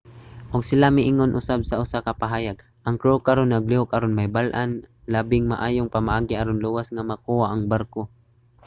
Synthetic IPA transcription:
ʔʊɡsɪlamɪʔɪŋonʔʊsab̚saʔʊsakapaɦaːjaɡ | ʔɐŋkɾokaɾonːaɡliokaɾonmajbalʔanlaːbɪŋmaʔaːjoŋpamaʔaːɡɪaɾonluwasŋamakuwaʔɐŋbaɾko

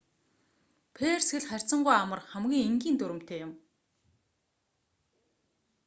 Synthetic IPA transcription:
pʰeːrsxɘ̆ɮχærʲt͡sə̆ɴɢujamə̆rχæmɡʲiːŋeŋɡʲiːnt̪ɵɾɵ̆m̥t̪ʰeːjʊm

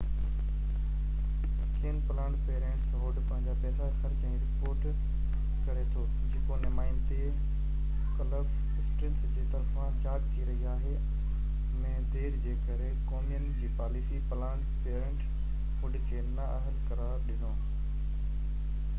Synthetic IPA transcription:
keːənpɐlãːɳɖpeːɾẽːɳʈsɦoːɖpɐ̃ɦɪ̃ɲd͡ʑapɛːsaxɐɾt͡ɕɛ̃ĩɾɪpoːɾʈ | kɐɾet̪ʰoː | d͡ʑeːkonɪmaːɪnt̪e | kɐləb | sʈɾɪ̃nsd͡ʑiːt̪ɐɾfãd͡ʑaːd͡ʒt̪ʰiɾɐɦiaːɦe | mẽːd̪eːɾd͡ʑeːkɐɾekɔːmijənɪd͡ʑiːpaːlisipɐlãːɳɖpeːɾẽːɳʈ | ɦʊɖɪkʰeːnɐəɦəlkɐɾaːɾɗɪnoː

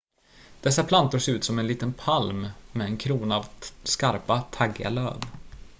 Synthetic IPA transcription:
d̪̥ɛsːapʰlant̪ʊʂeːɾʉ̟ːt̪sɔmɛnliːt̪ənpʰalmːɛːnkʰɾuːnavskaɾpat̪ʰaɡa̰lø̰ːv

